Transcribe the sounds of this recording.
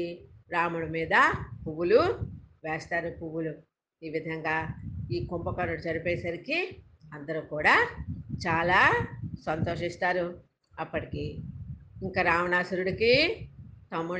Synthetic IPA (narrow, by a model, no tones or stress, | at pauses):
ɾaːmuɽumiːd̪ɐpuʋuluʋɛːst̪aːɾupuʋulu | iːʋid̪ʱɐŋɡaːiːkompɐkɐnuɽud͡ʒɐɾipɛːɐsɐɾiki | ɐnd̪ɐɾuːkuːɽaːt͡ʃaːlaːsɐnt̪oːʂist̪aːɾu | ɐpːɐʈiki | iŋkaɾaːmɐnaːsɐɾuɽiki | t̪ɐmːu